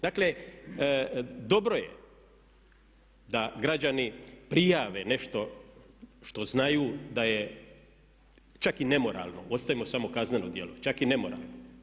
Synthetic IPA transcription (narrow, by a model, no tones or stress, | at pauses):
d̪akle | d̪o̞bɾoje | d̪aɡɾad͡ʒanipɾijaːʋe̞ne̞ʃt̪o̞ | ʃt̪o̞znajuːd̪aje | t͡ʃakine̞mo̞ɾa̰lˠno̞̰o̞t̪st̪aʋimo̞samo̞kazneno̞d̪je̞̰lˠo̞̰t͡ʃakine̞mo̞ɾa̰ːlˠno